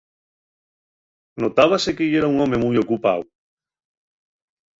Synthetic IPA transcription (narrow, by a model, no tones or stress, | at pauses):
not̪aβ̞asekeʎeɾauŋomemujokupaw